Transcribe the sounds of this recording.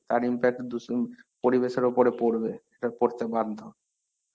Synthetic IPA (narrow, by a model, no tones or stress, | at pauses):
t̪aɾimpɛk̚ʈd̪uspoɾibeʃeɾopoɾepoɾbeeʈapoɾt͡ɕeband̪ʱo